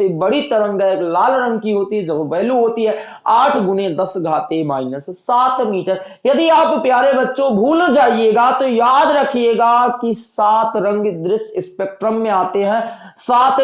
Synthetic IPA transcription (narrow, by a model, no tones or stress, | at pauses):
sebɐɽ̤it̪ɐɾə̃ŋɡɛklaːlɾə̃ŋɡkiɦoːt̪iɦɛd͡ʒɐbbɛɦluɦoːt̪iɦɛ | aːʈʰɡʊned̪ɐsɡʱaːt̪emaːɪnəssaːt̪ʰmiːʈəɾ | jɐd̪iaːppjaːɾebɐtːʃõbʱuːld͡ʒaːieːɡat̪ojaːd̪ɾɐkʰieːɡakisaːt̪ɾɐ̃ŋɡd̪ɾɪsɪspeːk̚ʈɾəmːẽaːt̪eɦɛ̃ː | saːt̪